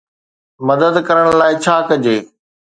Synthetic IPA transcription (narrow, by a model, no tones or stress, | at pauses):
mɐd̪əd̪kɐɾəɽ̃laːɪt͡ɕʰaːkɐd͡ʑeː